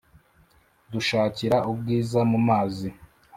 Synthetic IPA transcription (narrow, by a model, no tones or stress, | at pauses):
duʃaːciɾaʔubɡiːzamumaːzi